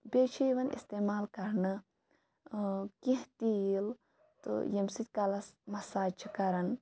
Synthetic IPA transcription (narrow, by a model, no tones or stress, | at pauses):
bʲeːt͡ʃʰiʋɐnʔḭst̪eːmaːlkɐɾnɨ | kĩɦt̪il | t̪ɨ̰jɐmsit̪ʲkɐlɐsmɐsaːt͡ʃʰikɐɾɐn